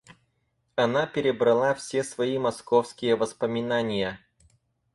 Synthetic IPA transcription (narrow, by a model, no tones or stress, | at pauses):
ɐnapʲɪɾʲɪbɾɐlˠafsʲesvɐimɐskofskʲɪjəvəspəmʲɪnanʲɪjə